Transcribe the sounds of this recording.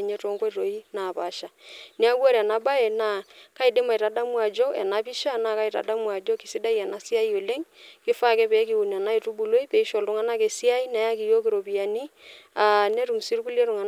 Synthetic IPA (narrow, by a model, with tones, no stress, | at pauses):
ɲe˦to˦ŋko˦ɾo˨i˦na˨pa˨˦ʃa˨ne˦a˦wa˦ɾɛ˨na˦ba˦e˨na˦˨ka˦i˨dɪ˦ma˨i˨ta˨da˦mwa˨d͡ʒo˦ɛ̰˨na˦pi˦ʃa˦na˨ka˦i˨ta̰˨da˦mwa˨d͡ʒo˦kɪ˨si˦da˦jɛ˨na˨si˦a˦i˦o˨le˦ŋkɪ˦fa˦˨kɛ˦pɛ˨˦k̬i˨u˨n˨a˨na˦i˨tu˦bu˨lo˦i˦pɛ˨i˦ʃo˨lu˦ŋa˦na˦ke˨si˦a˦i˦na˨ja˦ki˨jo˦kɪ˨ɾo˨pi˨a˨ni˦a˨ne˦ɾu˨m˨si˦ɾu˦ku˦le˦ɾu˨ŋa˨n